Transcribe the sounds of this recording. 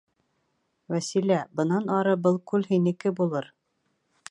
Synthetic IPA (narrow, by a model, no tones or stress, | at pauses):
wæsilæbɤ̆nɑnɑɾɤbɤlˠkʉlɦinɘ̆kɘbulˠɤɾ